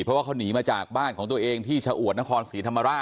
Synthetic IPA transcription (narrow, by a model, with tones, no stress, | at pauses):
pʰɾɔ˦˥waː˥˩kʰːwniː˩˦maː˧t͡ɕaː˨˩k̚baː˥˩nkʰɔː˩˦ŋt̪u˧əʔeː˧ŋt̪ʰiː˥˩t͡ɕʰaː˧ʔu˨˩ət̪̚na˦˥kʰɔː˧nsiː˩˦t̪ʰa˧mːa˧ɾaː˥˩